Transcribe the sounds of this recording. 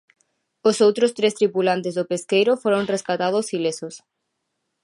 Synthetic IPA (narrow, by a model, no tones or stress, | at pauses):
osowt̪ɾʊst̪ɾest̪ɾipulant̪ezðʊpeskejɾʊfoɾõŋreskat̪að̞ʊsilesʊs